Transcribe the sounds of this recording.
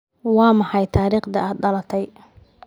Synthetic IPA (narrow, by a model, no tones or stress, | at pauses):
wɑːmɑħɑjt̪ʰaːɾiːχd̪ɐaːd̪ɖɐlɐt̪ʰɛj